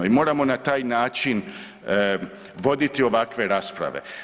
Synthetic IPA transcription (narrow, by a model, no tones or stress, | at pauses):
imo̞ːɾamo̞nat̪aːjnaːt͡ʃin | ʋo̞d̪it̪io̞ʋakʋe̞ɾaːspɾa̰ʋe̞̰